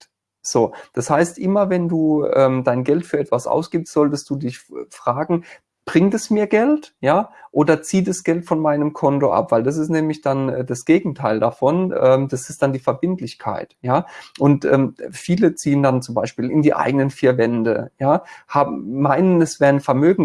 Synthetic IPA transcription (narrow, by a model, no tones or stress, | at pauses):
z̥oːd̥ashaɪstʔɪmɐvɛnduːʔɛːmdaɪnɡɛltfyːɐɛtv̥asʔa̰ʊsɡ̥iːpstz̥ɔltəst̚d̥uːdɪçfʁ̥aːɡŋ̩ | b̥ʁɪŋtɛsmiːɐɡɛltjaːʔoːdɐt͡siːdasɡ̥ɛltfɔnmaɪnəmkʰɔntoʔa̰pv̥aɪldas̬ɪstnɛːmlɪçd̥anɛːdasɡ̥eːɡŋ̩tʰaɪldafɔnʔɛːmd̥asɪst̚d̥andiːfɛɐbɪntlɪçkʰa̰ɪtjaːʔʊntʔɛ̰ːmfiːlət͡siːəndant͡sʊmbaɪʃpiːlɪ̰ndiːʔa̰ɪɡənənfiːɐvɛndə̰jaːhaːbm̩ːaɪnənɛsv̥ɛːʁənfɛɐmøːɡŋ̩